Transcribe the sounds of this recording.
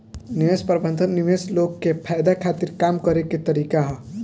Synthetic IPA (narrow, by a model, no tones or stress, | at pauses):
niʋespəɾbə̃nd̪ʱənːiʋeslokːepʰajd̪akʰat̪iɾkamkəɾeket̪əɾikaɦɔ